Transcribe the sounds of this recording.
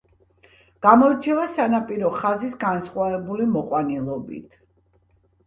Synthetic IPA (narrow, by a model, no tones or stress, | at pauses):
ɡ̥amɔiɾt͡ʃʰɛvasanapʼiɾɔχazisɡansχwavɛbulimɔqʼwanilˠɔbḭt̪ʰ